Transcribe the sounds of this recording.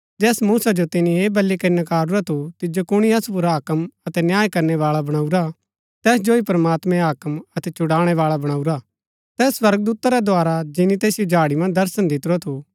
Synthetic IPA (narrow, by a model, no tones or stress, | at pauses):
d͡ʒɛːsmuːsad͡ʒot̪ɪnĩeːbɐlːikɐɾinɐkaːɾuɾat̪ʰut̪ɪd͡ʒokʊɽ̃iɐsup̬ʊɾaɦɐkəmɐt̪ɛnjaːjkɐɾnɛʋaːɭabɐɽ̃aːuɾa | t̪ɛːsd͡ʒoːipɾɐmaːt̪mɛ̃ɦaːkəmɐt̪ɛt͡ʃʊɽaːɽ̃ɛʋaːɭabɐɽ̃aːuɾa | t̪ɛːswɐɾɡəd̪uːt̪aɾɛd̪ʱaːɾad͡ʒɪnĩt̪eːsijod͡ʒʱaːɽimɐ̃nd̪ɐɾsənd̪ɪt̪ɾat̪ʰu